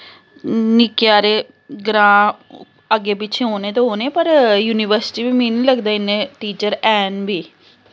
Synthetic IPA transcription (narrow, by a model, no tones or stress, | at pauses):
nɪkjaːɾeː | ɡɾãː | əɡeːpɪːt͡ʃʰeːɦoːneːt̪oɦoːneːpəɾjuːniʋəɾsɪ̥ʈiːʋiːmĩːnĩːləɡd̪aːɪnːẽːʈiːt͡ʃəɾɛːnʋiː